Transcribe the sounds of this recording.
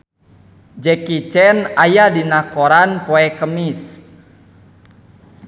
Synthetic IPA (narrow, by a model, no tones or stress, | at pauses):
d͡ʒɛkit͡ʃɛnajadinakoɾanpoɛkəmis